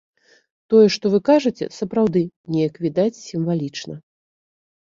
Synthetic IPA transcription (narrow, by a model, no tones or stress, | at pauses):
t̪ɔjɛʂt̪ɔvɨkaʐɨt͡sʲɛ̰sɐpɾawd̪ɨnʲɛjɐkvʲid̪at͡sʲsʲimvalʲit͡ʂnɐ